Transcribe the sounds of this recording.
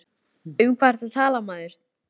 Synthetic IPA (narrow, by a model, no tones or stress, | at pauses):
ʏmkʰvaɾ̥t̪at̪ʰaːlamaːðɪɾ̥